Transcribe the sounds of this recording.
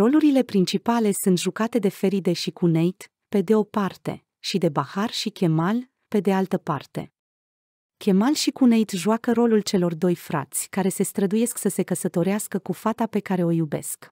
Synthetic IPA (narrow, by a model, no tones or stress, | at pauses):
ro̞luɾile̞pɾint͡ʃipale̞sunt̪ʒukat̪e̞d̪e̞fe̞ɾid̪e̞ʃikunejt̪ | pe̞d̪e̞o̞part̪e̞̰ | ʃid̪e̞baharʃikʲe̞mal | pe̞d̪e̞alt̪əpart̪e̞̰ | kʲʰe̞malʃikune̞jt̪ʒuakəɾo̞lult͡ʃe̞lo̞rd̪o̞jfɾa̰t̪sʲkaɾe̞se̞st̪ɾəd̪uje̞sksəse̞kəsət̪o̞ɾeaskəkufat̪ape̞kaɾe̞o̞jube̞̰sk